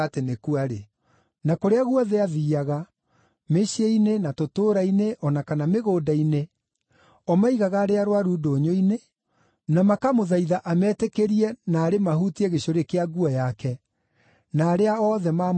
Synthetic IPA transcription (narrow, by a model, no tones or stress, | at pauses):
atenekuaɾe | nakoɾeaɣuɔðɛaðiːaɣa | meɕieinenatotoːɾaineʔɔnakanameɣoːdaine | ɔmaiɣaɣaːɾeaɾowaɾuːdoːɲoine | namakamoðaiðaʔamɛtɛkeɾiɛnaːɾemahutiɛɣeɕoɾekeaɡuɔjakɛ | naːɾeaɔðɛma